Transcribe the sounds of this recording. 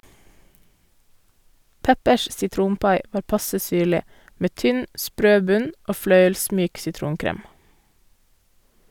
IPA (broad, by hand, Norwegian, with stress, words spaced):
ˈpɛpəʃ sɪˈtɾuːnˌpɑɪ ˈʋɑːɾ ˈpɑsə ˈsyːɭɪ ˈmeː ˈtʏn ˈspɾøː ˈbʉɲ ˈoː ˈflœʏəlˌsmyːk sɪˈtɾuːnˌkɾeːm